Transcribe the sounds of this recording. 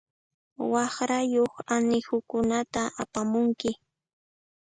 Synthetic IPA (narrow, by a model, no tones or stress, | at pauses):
wɑχɾajoχanɪhʊkʊnat̪aʔapamʊŋkɪ